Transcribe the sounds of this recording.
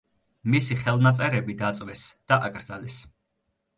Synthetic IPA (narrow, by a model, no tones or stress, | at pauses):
misiχɛlˠnat̪sʼɛɾɛbid̪at̪sʼvɛsd̪̥aʔaɡʼɾd̪zalɛs